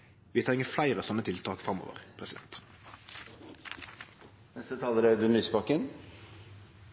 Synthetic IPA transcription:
ʋɪːt̪ʰɾɪŋːəflæɪʁəsɔnːət̪ʰɪlt̪ʰɑːkfʁɑmo̰ːʋə̰ʁpʰʁɛsɪd̪ɛ̰nt̪ | nɛst̪ət̪ʰɑːləɾed̪ʉmyːspɑkən

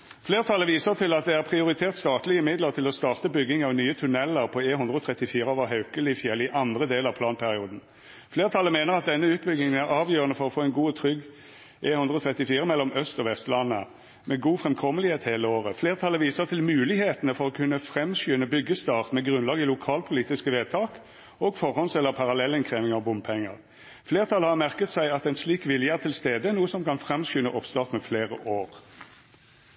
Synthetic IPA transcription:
fleːʁət̪ʰɑlːəʋiːsəʁt̪ʰɪlɑt̪̚d̪ɛæʁpʰʁɪʊɾɪt̪ʰeːʁt̪st̪ɑːt̪lɪɪmɪd̪ləʁt̪ʰɪlɔst̪ɑːʁt̪əbʏɡːɪŋɑʋnyːət̪ʰʉnɛlːəʁpʰɔeːhʉnd̪ʁəɔt̪ʰʁɛt̪ːɪfiːɾəɔʋɑɦɑʉkəlɪfjɛlɪʔɑnd̪ʁəd̪eːləʁɑʋpʰlɑːnpʰæʁɪuːd̪n̩ | fleːʁət̪ʰɑləmeːnəʁɑt̪̚d̪ɛnːəʉːt̪̚bʏɡɪŋənæʁɑːʋjøːʁənəfɔɾɔfoːɛnɡuːt̪ʰɾʏɡː | ʔeːhʉnd̪ʁəɔt̪ʰʁɛt̪ːɪfiːɾəmɛlːɔmœst̪ɔʋɛst̪lɑnːə | mɛɡuːfʁɛmkʰɔməlɪheːt̪heːləoːʁəfleːʁt̪ʰɑləʋiːsəʁt̪ʰɪlmʉːlɪheːt̪ənəfɔʁɔkʰʉnːəfʁɛmsjyːnəbʏɡːəst̪ɑːʁt̪mɛɡʁʉnlɑːɡɪlʊkʰɑːlpʰʊliːt̪ɪskəʋeːt̪ʰɑːk | ɔɡfɔʁhɔnsɛlːəpʰɑʁɑlɛlɪnkʰʁeːʋɪŋɑʋbʊmpʰɛŋːə̰ʁ | fleːʁt̪ʰɑlːəhɑʁmæʁkət̪sæɪɑt̪ɛnsliːkʋɪljəæʁt̪ʰɪlst̪eːd̪əʁnuːəsɔmkɑnfʁɛmsyːnəʔɔpst̪ɑːʁt̪mɛfleːʁəʔoːʁ

